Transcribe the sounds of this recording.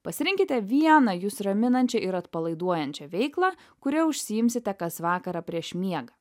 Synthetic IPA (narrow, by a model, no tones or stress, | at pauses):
pɐsʲɪɾʲɪŋʲkʲɪt̪ʲɛʋʲiɛnɐjuːsɾɐmʲɪnɐnʲt͡ʃʲɛʔɪɾɐt̪pɐlˠɐɪd̪uɔjɛnʲt͡ʃʲɛʋʲɛɪklˠɑː | kʊɾʲɛʊʃʲsʲɪjɪmʲsʲɪt̪ʲɛkɐsʋɑːkɐɾɐpʲɾʲiɛʃmʲiɛɡɐ